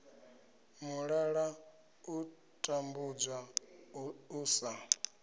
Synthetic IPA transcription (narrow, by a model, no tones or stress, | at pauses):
muɺaɺa | u | tʼambud͡zwa | uːsa